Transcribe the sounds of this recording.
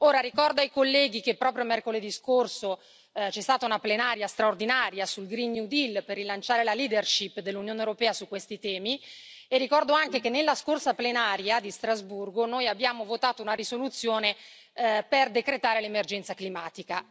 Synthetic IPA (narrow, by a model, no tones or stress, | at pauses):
oːɾaɾikɔrd̪oajkolːɛːɡikepːɾɔːpɾjomɛrkoled̪iskorso | t͡ʃɛst̪aːt̪aunaplenaːɾjast̪ɾaord̪inaːɾjasulɡɾinnud̪ilːperːilant͡ʃaːɾelaliːd̪erʃipːd̪elːunjoːneewɾopɛːasukwest̪it̪ɛːmi | erːikɔrd̪oaŋkekenːelːaskorsaplenaːɾjad̪ist̪ɾazburɡonoːjabːjaːmovot̪aːt̪ounaɾisolut̪sːjoːne | perd̪ekɾet̪aːɾelemerd͡ʒɛnt̪saklimaːt̪ika